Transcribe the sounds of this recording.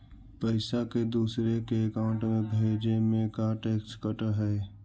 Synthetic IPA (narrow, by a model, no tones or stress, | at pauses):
pəɪsaked̪uːsɾekeːkaʊ̃ɳʈmẽɡʱeːd͡ʒemẽkaʈeːkskəʈəɦɛː